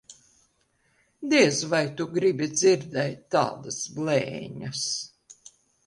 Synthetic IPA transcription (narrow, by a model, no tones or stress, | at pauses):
d̪iɛzvajt̪uɡɾibʲid̪ziɾd̪ɛjt̪ːa̰ːd̪ɐsblˠɛ̰ːɲɐs